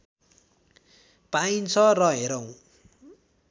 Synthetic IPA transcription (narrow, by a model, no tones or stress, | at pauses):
paint͡sʰʌrʌɦeɾʌw̃